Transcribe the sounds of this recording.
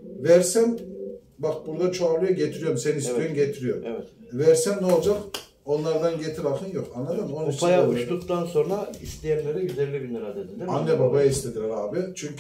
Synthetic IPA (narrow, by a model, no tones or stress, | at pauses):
væɾsæn | bak̚buɾd̪at͡ʃʰoaɾlˠɯjaɟet̪ʰiɾijo̞ɾmseninist̪ʰøjynɟet̪ʰiɾijo̞ɾvɛvæɾsænnɛolˠd͡ʒak | o̞nlˠaɾd̪anɟe̞t̪ʰiɾakʰɯnjokanlˠad̪ɯmonapajauʃt̪ukt̪ʰanso̞nɾaist̪ijɛnlʲeɾɛjyzelːʲibinʲiɾad̪ed̪ilʲianːɛbabajaist̪ʰed̪ilʲɛɾaːbɪt͡ʃʰyɲcʰ